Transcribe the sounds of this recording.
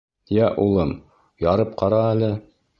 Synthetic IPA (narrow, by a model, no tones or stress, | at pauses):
jæʔulˠɤm | jɑɾɤp̚qɑɾɑælɘ